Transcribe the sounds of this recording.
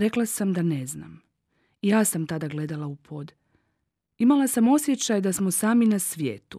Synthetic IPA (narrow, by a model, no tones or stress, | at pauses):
ɾe̞klasamd̪ane̞zna̰m | ijaːsamt̪ad̪aɡle̞d̪alaupʰo̞ːd̪ | imalˠasamo̞sje̞t͡ɕajd̪asmosaːminasʋjeːt̪u